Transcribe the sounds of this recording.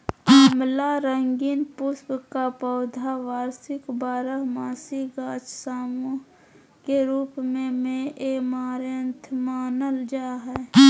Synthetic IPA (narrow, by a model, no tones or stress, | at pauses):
əmlaɾəŋɡiːnpʊspkapɔːd̪ʱaʋaːɾsɪkbaːɾəɦmaːsiɡaːt͡ʃsaːmõ | keɾuːpmẽmẽʔemaːɾənt̪ʰmaːnəld͡ʒaːɦɛː